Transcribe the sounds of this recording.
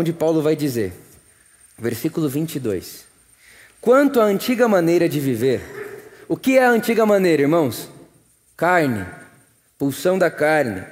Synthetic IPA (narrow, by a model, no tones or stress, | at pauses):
d͡ʒɪpawlʊvajd͡ʒizḛɾ | veɾsikʊlʊvĩnt͡ʃid̪o̰js | kwɐ̃nt̪ʊɐɐ̃t͡ʃiɡɐmɐ̃nejɾɐd͡ʒɪviveɾʊkɪɛɐɐ̃nt͡ʃiɡɐmɐ̃nejɾɐiɾmɐ̃w̃s | kaɾnɪ̰ | puwsɐ̃w̃d̪ɐkaɾnɪ̰